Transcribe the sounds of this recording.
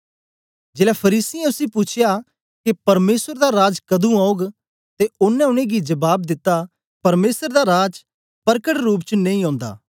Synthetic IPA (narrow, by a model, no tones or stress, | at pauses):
d͡ʒeːlapʰɐɾiːsiɛ̃ʊsĩpʊt͡ʃʰɪja | kepɐɾmeːsəɾd̪aɾaːd͡ʒkɐd̪ũaːʊɡ | t̪eʊnːɛ̃ʊñẽɡid͡ʒɐbaːb̚d̪ɪt̪ːa | pɐɾmeːsəɾd̪aɾaːd͡ʒ | pɐɾkəʈɾuːp̬t͡ʃənɐ̃ĩɦɔ̃ːnd̪a̰ː